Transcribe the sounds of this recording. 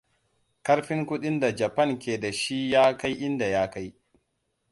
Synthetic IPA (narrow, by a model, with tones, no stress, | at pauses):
kɐ˦ɾɸɪ˦ŋkʷʊ˦ɗɪ˦nda˨d͡ʒɐ˨pɐ˦˨ŋkʲeː˨da˨ʃi˦jaː˦ka˦jʔɪ˦nda˨jaː˦ka˦j